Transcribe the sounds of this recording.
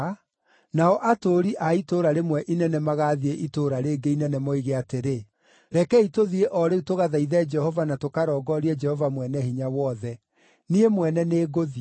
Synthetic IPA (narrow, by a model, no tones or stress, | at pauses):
naɔʔatoːɾiʔaitoɾaɾemwɛʔinɛnɛmaɣaðieʔitoːɾaɾeːɡeinɛnɛmɔiɣeateɾe | ɾɛkɛitoðieʔɔɾeutoɣaðaiðɛd͡ʒɛhɔvanatokaɾɔɡɔɾiɛd͡ʒɛhɔvamwɛnɛhiɲawɔðɛ | niemwɛnɛneːɡoði